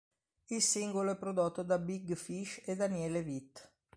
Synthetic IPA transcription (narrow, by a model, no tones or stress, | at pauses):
ilsiŋɡoloɛpːɾod̪ot̪ːod̪abiɡfiʃed̪ːanjɛːlevit̪ː